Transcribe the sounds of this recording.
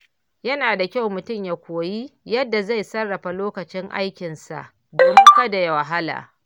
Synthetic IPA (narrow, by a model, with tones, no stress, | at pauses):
jɐ˦naː˨da˨kʲa˦wmʊ˨tʊ˦mja˨kʷoː˨ji˦jɐ˦dːa˨za˦jsɐ˦rːɐ˨ɸa˨loː˦kɐ˨t͡ʃɪ˦ŋʔa̰˦jkʲɪ˨nsa̰˨ʔ | doː˨mɪ˦ŋka˦da˨ja˨wa˨ɦa˦la̰ː˨